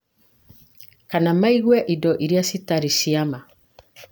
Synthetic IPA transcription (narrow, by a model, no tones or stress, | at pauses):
kanamaiɣwɛʔidɔʔiɾjasitaɾisiama